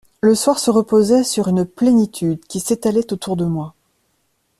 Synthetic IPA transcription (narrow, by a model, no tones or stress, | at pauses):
ləswaʁsəʁəpozɛsyʁynplenit̪ʰyd̪kʲiset̪alɛt̪ot̪ʰuʁd̪əmwa